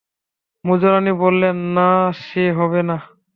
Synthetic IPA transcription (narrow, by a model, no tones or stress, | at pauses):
mud͡ʑoɾanibolːenːaʃeɦɔbena